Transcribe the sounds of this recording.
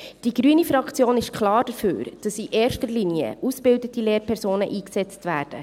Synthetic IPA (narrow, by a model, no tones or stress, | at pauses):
d̥iɡ̥ɾyənifɾɑkt͡sjoːnɪʃkʰχlɑːɾd̥əfø̰ːɾd̥ɑsiʔeːɾʃtəɾliniə̰ʔusb̥ɪldətileːɾpʰɛɾzoːnə̰ʔiːksɛt͡stvæːɾd̥ə